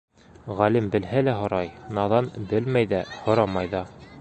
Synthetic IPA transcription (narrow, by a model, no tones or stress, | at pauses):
ʁælimbɘ̆lɦælæɦŏɾɑjnɑðɑnbɘlmæjðæhŏɾɑmɑjðɑ